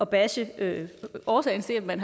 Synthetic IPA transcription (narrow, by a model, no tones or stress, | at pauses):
ɒ̽b̥æɕəøɒːsɛ̰ːɪnse̝mmænɦ